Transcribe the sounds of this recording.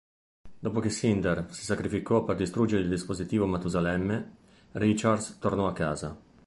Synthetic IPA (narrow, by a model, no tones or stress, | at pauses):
d̪oːpok̟esind̪ersi̥sakɾifikɔperd̪ist̪ɾud͡ʒeɾeild̪ispozit̪iːvomat̪uzalɛmːe | rit͡ʃard̪st̪ornɔakːaːza̰